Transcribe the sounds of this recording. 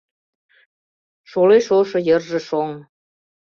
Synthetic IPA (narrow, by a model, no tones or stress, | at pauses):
ʃoleʃoʃɤ̆jɤ̆rʒĕʃoŋ